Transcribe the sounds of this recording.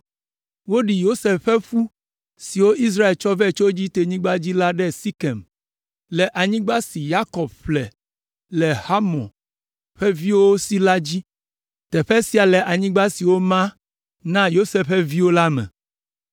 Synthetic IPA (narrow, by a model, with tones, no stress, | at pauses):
wo˦ɖi˨jo˦se˨fɸɛ˦ɸu˦ | si˨wo˦ʔi˦s̬ɾa˦e˨lt͡ʃɔ˦vɛ˦˨lt͡ʃo˦d͡ʑi˦t̪e˨ɲĩ˦ɡ͡ba˦d͡ʑi˦la˦ɖɛ˦si˦kɛ˨m | lɛ˨ʔa˨ɲĩ˦ɡ͡ba˦si˨ja˦kɔ˨b̚ɸlɛ˨ | lɛ˨ha˦mɔ̰̃˨ | ɸɛ˦vi˦wo˦si˦la˦d͡ʑi˦ | t̪ɛ˨ɸɛ˦si˦a˨lɛ˨ʔa˨ɲĩ˦ɡ͡ba˦si˨wo˦mã˦ | nã˦jo˦se˦ɸɛ˦vi˦wo˦la˦mɛ̰̃˨